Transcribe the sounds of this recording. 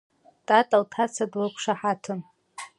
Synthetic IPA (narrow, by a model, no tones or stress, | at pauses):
tʼatʼaltʰat͡sʰadwakʷʰʂaħatʰɨn